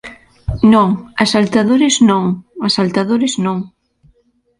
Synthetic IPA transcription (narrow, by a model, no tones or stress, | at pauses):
nõŋasalt̪aðoɾɪznõŋasalt̪aðoɾɪznõŋ